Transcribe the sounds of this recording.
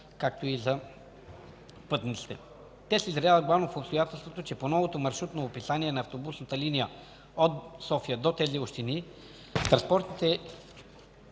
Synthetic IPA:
kakt̪oizɐ | pɤt̪nit̪si̥t̪ɛ | t̪ɛsɛizɾjavət̪̚ɡlˠavnofopst̪ojat̪ɛlˠst̪vot̪ot͡ʃɛponɔvot̪omɐɾʃɾut̪noopisaniɛnɐːft̪obusnət̪əlinijə | ot̪sɔfijəd̪ot̪ɛzioʃt̪ini | st̪ɾɐ̃nspɔɾt̪nit̪ɛ

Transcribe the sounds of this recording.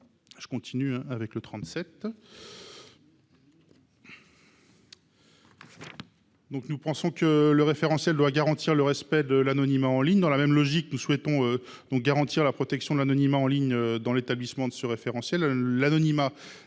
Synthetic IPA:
ʒ̥ə̥kɔ̃t̪ʰinyɛ̃avɛklət̪χɑ̃t̪sɛt̪ | d̪ɔ̃knupɑ̃sɔ̃kələʁefeʁɑ̃sjɛld̪waɡaʁɑ̃t̪ʰiʁləʁɛspɛd̪əlanɔnimaɑ̃liɲd̪ɑ̃lamɛmlɔʒiknuswɛt̪ɔ̃ø | d̪̥ɔ̃k̚ɡaʁɑ̃t̪iʁlapχɔt̪ɛksjɔ̃d̪əlanɔnimaɑ̃liɲød̪ɑ̃let̪ablismɑ̃d̪əsəʁefeʁɑ̃sjɛlːanɔnima

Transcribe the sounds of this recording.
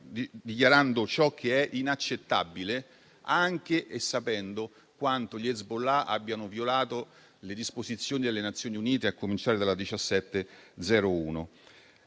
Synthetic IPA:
id̪ik̬jaɾand̪ot͡ʃɔk̟ʰːeɛʔinat͡ʃːet̪ːabːile | aŋk̟eʔːsːapɛnd̪o | kwant̪oʎɛzbolaʔa̰bːjanovjolaːt̪o | led̪ispozit̪sːjoːnid̪elːenat̪sːjoːniuniːt̪eakːomint͡ʃaːɾed̪alad̪it͡ʃasːɛt̪ːed̪zɛːɾouːno

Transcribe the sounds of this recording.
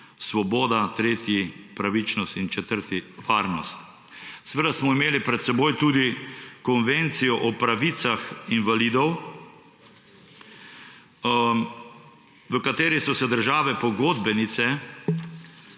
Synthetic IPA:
sʋɔboːd̪at̪ɾeːt̪jipɾaʋit͡ʃnɔst̪int͡ʃɛt̪əɾt̪iʋaːɾnɔst̪ | sɛʋeːd̪asmɔimeːlipɾɛt̪sɛboːjt̪uːd̪ikɔnʋent̪sijɔʔɔpɾaʋit̪saxinʋaliːd̪ɔw | ʋəkat̪eːɾisɔsɛd̪əɾʒaːʋɛpɔɡod̪bɛnit̪sɛ

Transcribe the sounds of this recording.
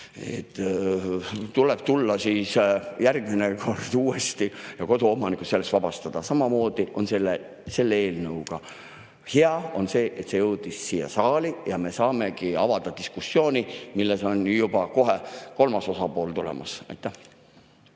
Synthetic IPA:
ḛt̪ːˑ | t̪ulɛb̥t̪ulːɑsiːsjærɡ̥mineko̞rd̪̥uːe̞st̪ijɑko̞d̪uo̞mɑnikusse̞lːest̪vɑbɑst̪ɑd̪̥ɑsɑmɑmo̞ːd̪̥iʔo̞nselːe | se̞lːeeːlnɤwɡ̥ɑ | he̞ɑo̞̰nse̞ːʔet̪se̞jɤwd̪̥isːiːjɑ̰sɑːlijɑme̞sɑːme̞kiɑvɑd̪̥ɑd̪iskusːjo̞ːnʲimilːeso̞njubɑko̞ɦeko̞lmɑso̞sɑpo̞ːlt̪ulḛmʔɑ̰sɑ̰jt̪ːˑæh

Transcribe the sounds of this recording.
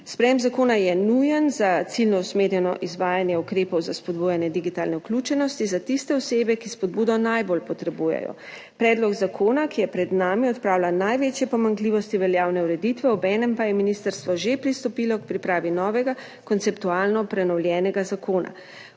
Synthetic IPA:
spɾɛjɛmzakoːnajɛnujɛnzat̪silnɔusmeːɾjɛnɔ̰ʔizʋaːjanjɛukɾeːpɔwzaspɔd̪̚buːjanjɛd̪iɡit̪aːlnɛuklʲut͡ʃɛnɔst̪izat̪ist̪ɛɔseːbɛkispɔd̪buːd̪ɔnajbolpɔt̪ɾɛbuːjɛ̰jɔ̰ | pɾɛːd̪lɔɡzakʰoːnakijɛpɾɛd̪naːmiɔt̪pɾaːwlanajʋeːt͡ʃjɛpɔmaŋkliːʋɔst̪iʋɛljaːwnɛuɾɛd̪it̪ʋɛɔbɛːnɛmpajɛminist̪əɾst̪ʋɔʒepɾist̪ɔpilɔkpɾipɾaːʋinɔːʋɛɡa | kɔnt̪sɛpt̪uaːlnɔpɾɛnɔwlʲjɛːnɛɡazakʰoːna̰

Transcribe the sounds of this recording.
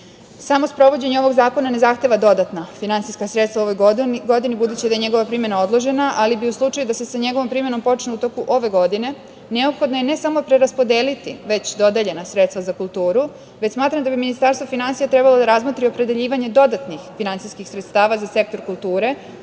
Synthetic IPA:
samo̞spɾo̞ʋo̞d͡ʑe̞ɲeo̞ʋo̞ɡzaːko̞nane̞zaxt̪e̞ʋad̪o̞d̪at̪nafinant̪sijskasɾet̪st̪vauoʋo̞jɡo̞d̪inibud̪uːt͡ɕid̪ajeɲe̞ɡo̞ʋapɾiːmje̞nao̞d̪lˠo̞ʒe̞naʔalibiuslˠut͡ʃajud̪ase̞saɲe̞ɡo̞ʋo̞mpɾiːmje̞no̞mpo̞t͡ʃneut̪o̞kuʔo̞ʋe̞ɡo̞d̪ine̞ | ne̞opxo̞d̪nojene̞samo̞pɾe̞ɾaspo̞d̪eːlit̪ḭʋe̞t͡ɕd̪o̞d̪eʎe̞nasɾet̪st̪ʋazakulˠt̪uːɾu | ʋet͡ɕsmaːt̪ɾamd̪abiminist̪aɾst̪ʋofinansijat̪ɾebalˠo̞d̪aɾazmot̪ɾio̞pɾe̞d̪eʎiːʋaɲe̞d̪o̞d̪at̪nixfinant̪sijskixsɾet̪st̪aːʋazase̞k̚t̪o̞ɾkulˠt̪uːɾe̞

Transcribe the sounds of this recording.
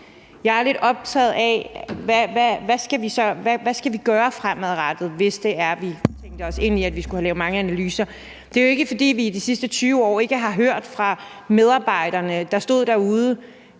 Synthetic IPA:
jɑ̈ɪæɐle̝d̥ɒ̽b̥̚t͡sʰɛ̰ðˠæʋæʋæʋæsɡ̥æʋisɒ̽ʋæʋæsɡ̥æʋiɡ̥ɶːɐfʁam̰æðˠʁad̥ð̩ˠʋe̝sd̥e̝æɐʋit͡sʰeŋ̰d̥əɒ̽se̝n̰iæd̥ʋisɡ̥uhælɛ̰ːʊmɑ̈ŋəænælyːsɐ | d̥e̝æjoe̝ɡ̥əfɒ̽d̥ḭːʋid̥isisd̥ət͡sʰyːʊɒ̰ːe̝ɡ̥əɦɑ̈ɦøɐ̰d̥fʁɑ̈ | með̞ˠɑ̈ːb̥ɑ̈ɪ̰ɾ̥ɐnəd̥ɑ̈sd̥o̝ð̰ˠd̥æɐuːð̞ˠə

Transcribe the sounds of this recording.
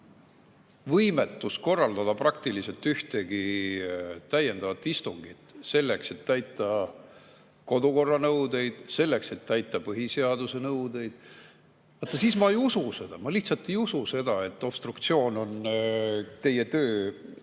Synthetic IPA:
vɤjme̞t̪ːˑusko̞rːɑld̪ɑd̪̥ɑprɑkt̪ilise̞lt̪ːyht̪e̞ɡi | t̪æje̞nd̪ɑvɑt̪ːˑist̪uŋɡ̥it̪se̞lːe̞kse̞t̪ːæjt̪ˑːɑ | ko̞d̪uko̞rːɑnɤwd̪e̞jd̪̥se̞lːe̞kse̞t̪ːæjt̪ːˑɑpɤɦise̞ɑd̪̥use̞nɤwd̪̥e̞jd̪̥ | vɑt̪ːˑɑsiːsmɑejususe̞d̪̥ɑmɑliht̪sɑt̪ːˑe̞jususe̞d̪̥ɑe̞t̪ːˑo̞pst̪rukt̪sio̞ːno̞n | t̪e̞jːe̞t̪øː

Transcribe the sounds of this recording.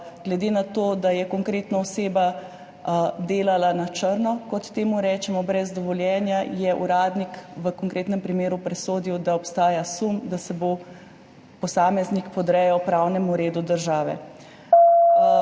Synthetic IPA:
ɡ̥lɛd̪eːnat̪oːd̪ajɛkɔŋkɾeːt̪naɔseːba | d̪eːlalanat͡ʃəɾnɔkɔt̪t̪ːeːmuɾɛːt͡ʃɛmɔbɾɛzd̪ɔʋɔljɛnjajɛʔṵɾaːd̪nikʋəkɔŋkɾeːt̪nɛmpɾimeːɾupɾɛsoːd̪iwd̪aɔpst̪aːjasumd̪asɛbo | pɔsaːmɛznikpɔd̪ɾɛjɔpɾawnɛmuɾeːd̪ud̪əɾʒaːʋɛ̰

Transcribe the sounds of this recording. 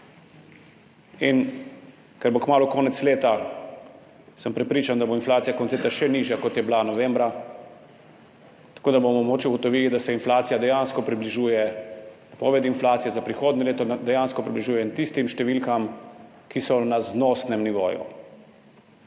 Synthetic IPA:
in | kɛɾbokmaːlukɔːnɛt̪sleːt̪a | səmpɾɛpɾiːt͡ʃand̪aboɔinflaːt̪sijakɔnt̪et̪aʃɛniʒjakɔt̪jɛblanɔʋembɾa | t̪ḁkoːd̪abomɔmoːt͡ʃiuɡɔt̪ɔʋiːlid̪asɛinflaːt̪sijad̪ɛjanskɔpɾibliʒuːjɛ | pɔʋɛd̪inflaːt̪sijɛzapɾixoːd̪nileːt̪ɔd̪ɛjanskɔpɾibliʒuːjɛnt̪ist̪imʃt̪ɛʋilkam | kisɔnaznosnɛmniʋo̰ːjṵ

